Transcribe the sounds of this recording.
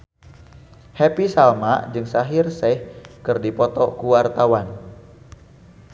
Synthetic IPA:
hɛpisalma̰d͡ʒɨŋsaɦɪrsɛjhkɨrdipɔt̪ɔkuwart̪awan

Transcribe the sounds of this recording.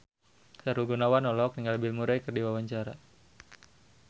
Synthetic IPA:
saɾulɡunawanɔlɔk̚niŋɡalbilmuɾajkərdiwawaɲt͡ʃaɾa̰

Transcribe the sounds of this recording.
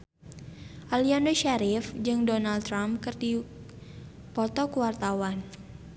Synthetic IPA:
ʔaliandoʃaɾɪfd͡ʒɨŋdonaldt̪ːɾamkɨrdi | pɔt̪ɔkuwart̪awan

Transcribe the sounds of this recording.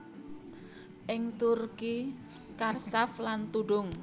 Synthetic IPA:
ʔɪŋt̪urki | karsaflant̪uɖʊŋ

